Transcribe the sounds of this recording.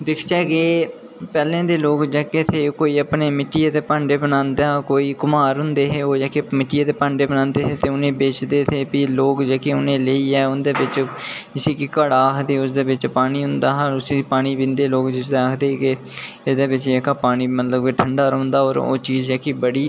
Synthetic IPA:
d̪ɪkʰt͡ʃɛːkeː | pɛːlẽːd̪eːloːkd͡ʒɛːket̪ʰeːkoːiːəpneːmɪʈːiːeːt̪eːpaːɳɖeːbənãːnd̪aːkoːiːkʊmaːɾɦʊnd̪eːɦeːoːd͡ʒaːkemɪʈːiːeːt̪eːpãːɳɖeːbənãːnd̪eːɦeːt̪eːʊnẽːbeːt͡ʃd̪eːt̪ʰeːpiːloːkd͡ʒɛːkeːʊnẽːleiːɛːʊnd̪eːbɪt͡ʃd͡ʒɪseːkɪkaːɽaːkd̪eːʊsd̪eːbɪt͡ʃpaːniːɦʊ̃nd̪aːɦaːʊsipaːniːbɪ̃nd̪eːloːkd͡ʒɪsd̪eakʰd̪eːkɪ | ɪsd̪eːbɪt͡ʃd͡ʒeːkaːpaːniːmət̪ləbkeʈʰəɳɖaːɾoːnd̪aːo̰ːɾo̰ːt͡ʃiːzd͡ʒaːkiːbəɽiː

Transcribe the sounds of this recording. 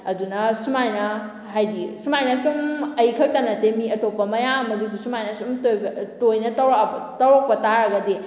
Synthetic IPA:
ɐdunɐsumajnɐ | ɦajɡisumajnɐsumɐjkʰɐk̚tanɐtemiɐtʰopːɐmɐjaɐmɐɡis̬usumajnɐsumtotojnɐtɐwtɐwɾok̚pɐtaɾɐɡɐdi

